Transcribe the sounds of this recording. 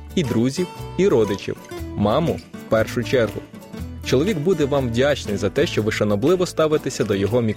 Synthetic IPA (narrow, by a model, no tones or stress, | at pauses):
id̪ɾuzʲiwiɾɔd̪ɪt͡ʃḭwmɑmʊwpɛrʃʊt͡ʃɛrɦʊ̰ | t͡ʃɔlˠɔʋʲiɡbud̪ɛʋɑmwdʲat͡ʃnɪjzɐt̪ɛʃt͡ʃɔʋɪʃɐnɔblˠɪʋɔst̪ɑʋɪt̪esʲɐd̪ɔjɔɦɔmʲi